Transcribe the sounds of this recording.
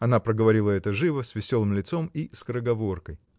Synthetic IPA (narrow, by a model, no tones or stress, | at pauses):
ɐnapɾəɡəvɐɾʲilˠəɛt̪əʐɨvəsʲvʲɪsʲo̞lˠɨmlʲɪt̪so̞miskəɾəɡɐvo̞rkəj